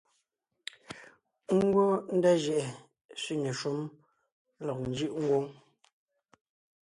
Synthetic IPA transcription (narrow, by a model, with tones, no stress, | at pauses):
ŋ˦ɡo˦n̩˦da˦ʒɛ˨ʔɛ˨ | si˦ne˨ʃu˦m | lɔ˨k̚n̩˨˦d͡ʒi˦ʔŋ̩˦ɡwo˦ŋ